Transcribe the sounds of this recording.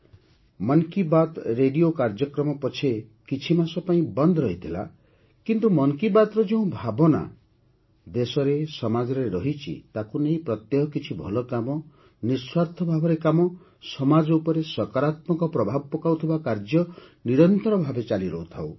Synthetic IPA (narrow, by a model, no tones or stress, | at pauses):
mɔŋkibat̪ɾeɖijokaɾd͡ʒɔkɾɔmɔpɔt͡ʃʰekit͡ʃʰimasɔpaĩbɔnd̪ɔɾɔɦit̪ʰila̰ | kint̪umɔŋkibat̪ɾɔd͡ʒeũbʱabɔna̰ | d̪esɔɾesɔmad͡ʒɔɾeɾɔɦit͡ʃʰḭt̪akuneĩpɾɔt̪jɔɦɔkit͡ʃʰibʱɔlɔkamɔ | niswaɾt̪ʰɔbʱabɔɾekamɔ | sɔmad͡ʒɔupɔɾesɔkaɾat̪mɔkɔpɾɔbʱab̚pɔkawt̪ʰibakaɾd͡ʒjɔniɾɔnt̪ɔɾɔbʱabet͡ʃaliɾɔɦut̪ʰaw